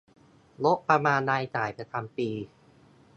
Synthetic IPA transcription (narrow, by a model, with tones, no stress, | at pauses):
lo˦˥k̚pɾa˧maː˧nːaː˧jt͡ɕaː˨˩jpɾa˧t͡ɕʰa˧mpiː˧